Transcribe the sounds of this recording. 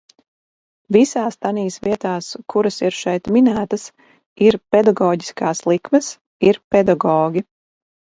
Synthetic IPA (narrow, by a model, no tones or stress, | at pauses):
visaːst̪aniːsviɛt̪aːskʰuɾɐsiɾʃɛjt̪minæːt̪ɐs | iɾpɛd̪aɡɔːɟi̥skaːslˠikmɛs | iɾpɛd̪aɡɔːɡʲi